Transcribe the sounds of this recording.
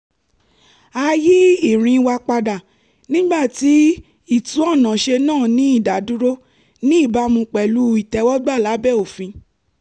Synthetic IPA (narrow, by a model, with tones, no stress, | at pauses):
a˧ji˦i˦˨ɾ̃ĩ˧wa˧k͡pa˧da˨ | nĩ˦ɡ͡ba˦˨ti˨˦ | i˦˨tũ˦ɔ˦˨nã˨ʃe˧nãː˦˨nĩ˨˦i˦˨da˨du˦ɾo˦ | nĩ˦i˦˨ba˨˦mũ˧k͡pɛ˨lu˨˦i˦˨tɛ˧˦wɔ˦ɡ͡ba˦˨la˨˦bɛ˦˨o˨fĩ˧